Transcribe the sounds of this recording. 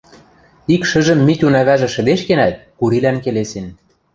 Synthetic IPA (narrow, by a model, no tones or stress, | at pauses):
ikʃə̆ʒə̆mːit̪ʲunæβæʒĕʃɘ̆d̪eʃkenæt̪̚kuɾilænkelesen